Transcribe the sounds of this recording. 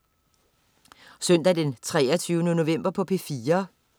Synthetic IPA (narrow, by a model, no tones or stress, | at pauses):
sœn̰d̥æd̥ent͡sʰʁɛːɐt͡sʰyːʊnəno̝ʋem̰b̥ɐpʰɒ̽pʰe̝fiːɐ